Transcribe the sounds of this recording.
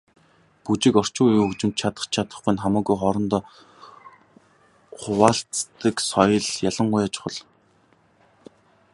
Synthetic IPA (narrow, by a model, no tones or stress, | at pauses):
put͡ɕɪ̆kɔr̥t͡ɕʊːjuːɵkt͡ɕɪ̆mt̪t͡ɕʰat̪ə̥̆χt͡ɕt͡ɕʰat̪ə̆χɡʊjnχamaːɣujχɔɾɞ̆nt̪ɔː | χʊwaːɬt͡st̪ə̆ksɔjɞ̆ɮjaɮə̆ɴɢʊjat͡ɕɪ̥̆χə̆ɮ